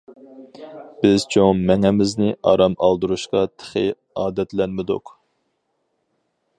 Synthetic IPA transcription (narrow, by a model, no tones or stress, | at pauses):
b̥ɪz̥t͡ʃʰoŋmɛŋɛmɪznɪʔɑ̰ɾɑmɑlˠd̪uɾuʃqɑt̪ʰə̥χɪ̰ | ɑːd̪ɛt̪lɛnmɪd̪ṵq